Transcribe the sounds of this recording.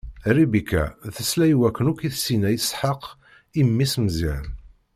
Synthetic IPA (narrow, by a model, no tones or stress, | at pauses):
ribikːæ̰θəslæjwækːənʊkiθsinæjsħəq | imːismziɾ